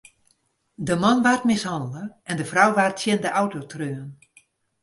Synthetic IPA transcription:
dəmɔnʋartmɪshɑndələɛndəfrawʋartsjɪndəʔawtotrøːən

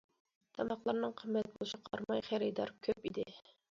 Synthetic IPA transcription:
t̪ʰɑmɑqlˠɑɾnɨŋqʰəmːɛt̪̚bolˠɨʃiqʰɑ̰ɾmɑjχæɾɪd̪ɑɾkʲʰøpid̪ɪ

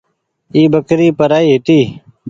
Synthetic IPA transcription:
iːbəkɾiːpəɾaːiːɦɪʈ̪iː

